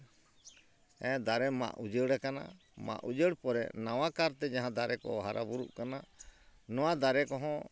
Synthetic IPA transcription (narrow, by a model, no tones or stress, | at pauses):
ɛ̃d̪aɾɛma̰ʔud͡ʒəɽakana̰ | ma̰ʔud͡ʒəɽpɔɾɛ̰ʔnawakaɾt̪ɛd͡ʒaɦãd̪aɾɛkɔ̰ɔɦaɾa̰buɾuʔkana | nɔwad̪aɾɛkɔɦɔ̃